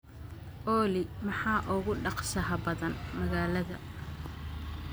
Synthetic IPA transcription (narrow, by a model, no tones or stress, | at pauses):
ʔɔːlɪmɑħɑːʔʊɣʊɖɑqsɐɦɐbɐðɐnmɐɣaːlɐðɐ̰